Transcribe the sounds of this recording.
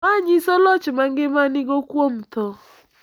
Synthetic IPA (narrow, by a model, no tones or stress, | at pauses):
aɲɪsolɔt͡ʃɪmaŋɡɪmanɪɡokwom̩tɔ